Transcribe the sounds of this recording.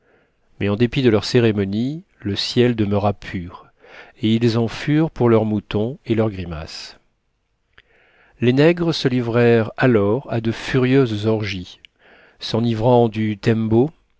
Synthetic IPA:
mɛɑ̃d̪epid̪əlœʁseʁemɔniləsjɛld̪əməʁapʰyːʁ | eilzɑ̃fyʁpuʁlœʁmut̪ɔ̃elœʁɡʁima̰s | lenɛɡʁəsəlivʁɛʁalɔʁad̪əfyʁjøzzɔʁʒi | sɑ̃nivʁɑ̃d̪yt̪ɛ̃mbo

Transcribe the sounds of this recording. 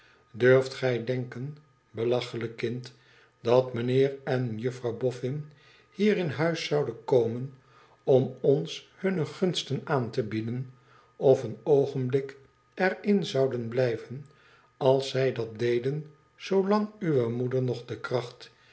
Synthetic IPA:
døɹftχɛjdɛŋkən | bəlɑχələkːɪnt | dɑtmənɪːrɛnjəfrɑwbɔfɪn | hiːɾɪnɦœɥsɑwdənkowmən | ɔmɔnshɵnəχɵnstənaːntəbidən | ɔfənowχənblɪk | ɛrɪnzɑwdənblɛjvən | ɑlˠsːɛjdɑt̚dejdən | z̥owlɑŋyʋəmudəɹnɔχdəkrɑχt

